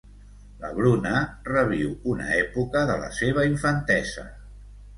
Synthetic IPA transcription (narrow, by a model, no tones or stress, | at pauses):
lə̰βɾunərəβ̞iwunə̰ɛpukəðələ̰seβ̞əiɱfənt̪ɛzə̰